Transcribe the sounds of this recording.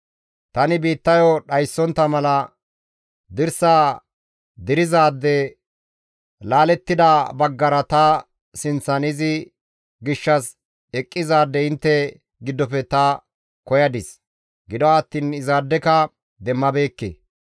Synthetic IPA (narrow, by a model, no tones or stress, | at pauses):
t̪ɐnɪbiːt̪ːɐjɔɗɐjsːɔnt̪ːɐmɐlɐ | d̪ɪɾsaː | d̪ɪɾɪzaːd̪ːɛ | laːlɛt̪ːɪd̪abɐɡːɐɾɐt̪ɐ | sɪnt͡sːɐnɪzɪ | ɡɪʃːɐs | ɛkʼːɪzaːd̪ːɛɪnt̪ːɛ | ɡɪd̪ːɔpɛt̪ɐ | kɔjɐd̪ɪs | ɡɪd̪ɔɐt̪ːiːnɪzaːd̪ːɛkɐ | d̪ɛmːɐbeːkːḛ